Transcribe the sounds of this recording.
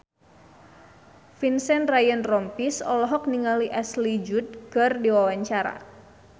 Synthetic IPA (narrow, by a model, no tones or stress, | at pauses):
finsɛnrajənrɔmpisɔlɔɦɔk̚niŋaliʔɛslid͡ʒut̪̚kardiwawaɲt͡ʃaɾa̰